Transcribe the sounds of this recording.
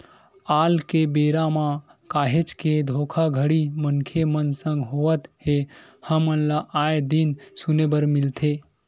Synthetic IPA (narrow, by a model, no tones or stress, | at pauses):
aːlkebeɾamã | kaːɦet͡ʃked̪ʱokʰaɡʱəɽimənkʰemənsə̃ŋɡɦoʋət̪ɦehəmənlaʔaed̪insunebəɾmilt̪ʰe